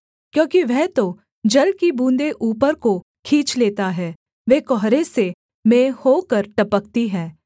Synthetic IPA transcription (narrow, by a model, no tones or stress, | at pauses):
kjõːkiʋɛɦt̪o | d͡ʒɐlkibũːnd̪eʔuːpəɾko | kʰĩːt͡ʃleːt̪aɦɛː | ʋeːkɔɦɾese | mẽːhoːkəɾʈɐpək̚t̪iɦɛ̃ː